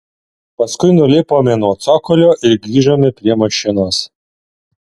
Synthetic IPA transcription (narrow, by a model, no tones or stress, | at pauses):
pɐskʊɪnʊlʲɪpoːmʲenuɔt̪sɔkɔlʲoːʔɪɾɡɾʲiːʒoːmʲɪpʲɾʲiɛmɐʃʲɪnoːs